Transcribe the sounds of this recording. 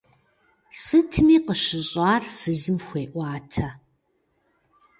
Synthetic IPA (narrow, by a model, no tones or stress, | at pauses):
sɨtʰɨmiːqəɕɪɕʼɑːrfɨzɨmxʷeːʔʷɑːtʰɐ